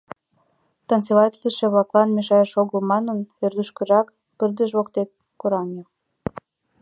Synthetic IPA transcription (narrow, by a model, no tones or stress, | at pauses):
t̪ɑnseβɑt̪liʃĕβlɑklˠɑnmeʃɑjəʃoɣəlmɑnənørd̪yʃkə̆ʒɑk | pərd̪əʒβokt̪ek̚ | koɾɑŋe